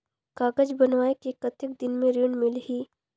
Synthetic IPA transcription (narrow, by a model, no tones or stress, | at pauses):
kaːɡəd͡ʒbɐnʋaːekekɐt̪ɪk̚d̪ɪnmẽɾiɳɖmɪlɦiː